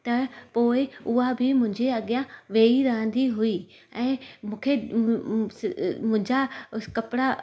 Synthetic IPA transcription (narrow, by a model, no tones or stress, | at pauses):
t̪ɐpoːɪʊɦabʱɪmʊ̃ɦɪ̃ɲd͡ʑeɐɠijãʋeːiɾɐɦə̃nd̪iɦui | ɛ̃ːmũːkʰe | mʊ̃ɦɪ̃ɲd͡ʑakɐpɪɽa